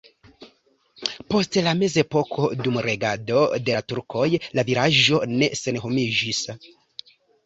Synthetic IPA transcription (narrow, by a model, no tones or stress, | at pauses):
po̞stlame̞ze̞po̞kʰo̞dumɾʔe̞ɡado̞de̞tuɾkʰo̞jlaviɾaʒo̞ne̞se̞nɦo̞mid͡ʒis